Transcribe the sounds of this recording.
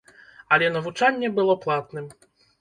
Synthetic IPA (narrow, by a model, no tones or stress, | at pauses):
ɐlʲɛnɐvut͡ʂanʲːɛbɨlˠɔplˠat̪nɨm